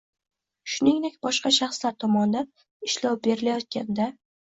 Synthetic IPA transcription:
ʃʊnɪŋd̪ekʲbɒʃqɑʃɑχslaɾt̪ʰɒmɒnd̪an | ɪʃlɒwbe̞ɾɪlajɒt̪̚kʲand̪a

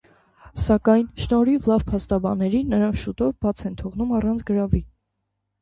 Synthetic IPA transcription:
sɑkɑjnʃnɔɾiuvlɑvpʰɑst̪ɑbɑnːɛɾinːəɾɑnʃut̪ɔɾb̥ɑt͡sʰɛnt̪ʰɔʁnumɑrɑnt͡sʰɡəɾɑvi

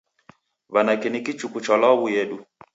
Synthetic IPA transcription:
βanakɛnikit͡ʃukut͡ʃɔlɔwujɛɗu

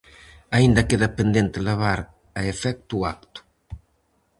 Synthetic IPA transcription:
aind̪akeðapend̪ent̪eleβaɾ | aefɛk̚t̪uak̚t̪u̥

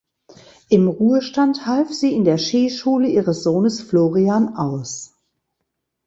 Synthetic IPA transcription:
ʔɪmʁuːəʃtanthalfz̥iːɪndeːɐʃiːʃuːləʔiːʁəsz̥oːnəsfloːʁiaːnaʊs

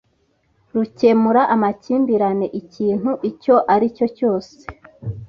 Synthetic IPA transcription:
ɾuce̞muɾaʔamaciːmbiɾane̞ʔiciːn̥huʔico̞ʔaɾico̞co̞ːse

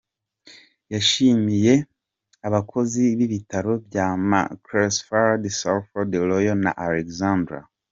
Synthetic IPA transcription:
jaʃiːmije̞ | aβakʰo̞ziβiβitaɾo̞bjama̰kɾesfaɾadisalfodelojona̰ʔalekzandɾa̰

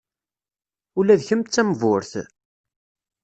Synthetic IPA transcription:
ulæðçəmt͡sːæmvʊɾθ

